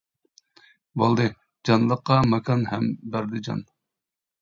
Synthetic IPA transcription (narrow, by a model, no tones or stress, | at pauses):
bolˠd̪ɨ | d͡ʒɑnlˠəqːɑmɛkʰɑnhɛmbæɾd̪ɪd͡ʒɑ̰n